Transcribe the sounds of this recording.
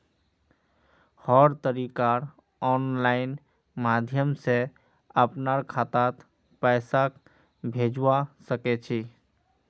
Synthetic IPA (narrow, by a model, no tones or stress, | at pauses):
hɔɾt̪əɾikaɾ | ɔnlaɪn | mad̪ʱjəmse | əpnaɾkʰat̪at̪ | pɛɪsak | bʱed͡ʒasəkɛt͡ʃʰi